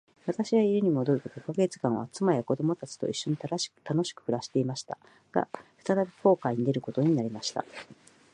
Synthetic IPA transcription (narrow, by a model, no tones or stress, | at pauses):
βat̪aɕiβaiɾɯɲ̟imo̞d̪o̞ɾɯ̟k̪ok̪okoɡe̞t͡sɨ̥kãɰ̃β̞a̰t͡sɨmajako̞d̪o̞mo̞t̪at͡ɕi̥t̪o̞̰iɕːo̞ɲ̟it̪aɾḁt̪ano̞ɕi̥kɯ̟̥ɸɯ̟ɾaɕi̥t̪e̞imaɕi̥t̪a̰ | ɡ̥a̰ɸɯ̥t̪at̪abʲi̥ko̞ːkaiɲ̟id̪e̞ɾɯ̟ko̞t̪o̞ɲ̟inaɾʲimaɕi̥t̪a̰